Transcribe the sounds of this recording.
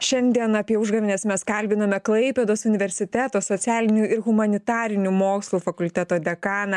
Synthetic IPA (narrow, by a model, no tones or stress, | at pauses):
ʃʲɛnʲd̪ʲiɛnɐːpʲiɛʊʒɡɐʋʲɪnʲeːsmʲɛskɐlʲbʲɪnɐmʲɛklˠɐɪpʲɛːd̪oːsʊnʲɪʋʲɛɾʲsʲɪt̪ʲæt̪oːsoːt̪sʲæːlʲɪnʲuɪɾɣʊmɐnʲɪt̪ɑːɾʲɪnʲuːmoːkslˠuːfɐkʊlʲt̪ʲɛt̪oːd̪ʲɛkɑːnɐ